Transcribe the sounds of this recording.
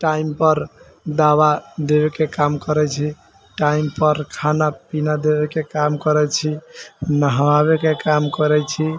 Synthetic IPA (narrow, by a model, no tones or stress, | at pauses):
ʈaimpɔɾ | d̪abad̪ebekekamkɔɾɛt͡ʃʰi | ʈaimpɔɾkʰanapinad̪ebekekamkɔɾɛt͡ʃʰinəɦəwaβekekamkɔɾɛt͡ʃʰi